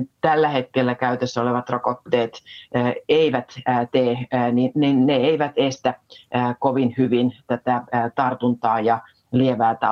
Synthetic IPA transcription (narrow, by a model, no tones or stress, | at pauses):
t̪ælːæhet̪̚kelːækæyt̪esːæoleʋɑt̪rokot̪ːeːt̪ː | eiʋæt̪ːt̪eːnininːeeiʋæt̪est̪ækoʋinhyʋint̪æt̪æt̪ɑrt̪unt̪ɑːjɑ | lieʋæːt̪ɑ